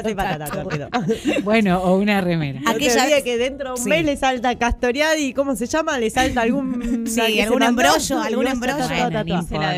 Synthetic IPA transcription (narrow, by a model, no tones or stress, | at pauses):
tepat̪at̪aoɾobwenoːunaremeɾaakeʒaðiakeðent̪ɾoðeummeslesalt̪akast̪oɾjaðiko̞mo̞seʃamalesalt̪aːlɣunsikealɣunembɾoʃoalɣunebɾoopaa